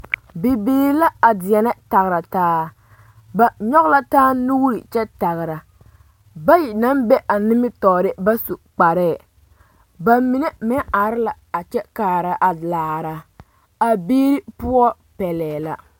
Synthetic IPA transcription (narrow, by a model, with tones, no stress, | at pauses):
be˨beː˨ɾla˦a˨dɪ˨jɛ˨nɛ˦ta˨ɣɾa˨taː˦ | ba˨ɲɔ˦ɣla˦taː˦nu˦ɾi˨t͡ʃɛ˦ta˨ɣɪ˨ɾa˨ | ba˦ji˨na˦mbɛ˦ʔa˨nɪ˦mɪ˦tɔː˨ɾɪ˦ba˦su˨k͡pa˨ɾɛː˦˨ | ba˨mi˨nɛ˦mɛ˦a˨ɾɪ˦la˨ | a˨t͡ʃɛ˦kaː˨ɾa˨ʔa˨laː˨ɾa˨ | a˨beː˦ɾi˦pʊ˦ɔ˦ | pɛ˨lɛː˨la˦